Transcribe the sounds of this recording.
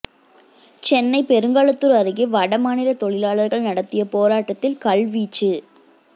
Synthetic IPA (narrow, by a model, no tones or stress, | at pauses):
t͡ʃɛnːɐɪpɛɾɯŋɡaːɭɐt̪ːɯɾɐɾɯɣɪʋɐɽɐmaːnɪɾɐt̪ɔɭɪlaːɭɐɾɣɐɭnɐɽɐt̪ːɪjɐpoːɾaːʈːɐt̪ːɪlkɐɭʋiːt͡ʃːɯ